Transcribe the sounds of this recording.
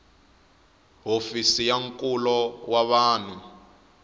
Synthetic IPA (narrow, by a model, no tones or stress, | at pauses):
ɦofisijaŋkʼulɔwaβaːni